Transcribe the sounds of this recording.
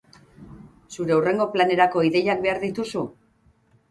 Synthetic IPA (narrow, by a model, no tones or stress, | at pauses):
suɾe̞ure̞ŋɡo̞plane̞ɾako̞iðe̞jak̚be̞aɾðit̪usu